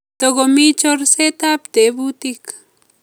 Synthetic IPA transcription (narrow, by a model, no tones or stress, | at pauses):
t̪oɡomit͡ʃoɾset̪apt̪ebut̪ik